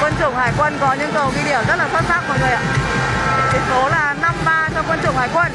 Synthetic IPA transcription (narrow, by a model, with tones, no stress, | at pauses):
kwə˧nt͡ɕɨ̰˨˧˩ŋ͡mhaː˧˩jkwə˧nkɔ˨˦ɲɨ̰˧˥ŋkə˨˩wɣi˧ɗi˧˩əmzə˦˥laː˨˩sa˦˥t̚saː˦˥k̚ku˧˩ŋɨ˨˩əjʔa̰ː˧˨˦ | ke˨˦so˨˦laː˨˩na˧mɓaː˧t͡ɕɔ˧ŋ͡mkwə˧nt͡ɕʊ˨˧˩ŋ͡mhaː˨˩jkwə˧n